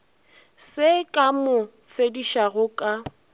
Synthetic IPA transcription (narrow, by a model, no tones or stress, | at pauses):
sɪkʼamʊ | fediʃaɣʊkʼa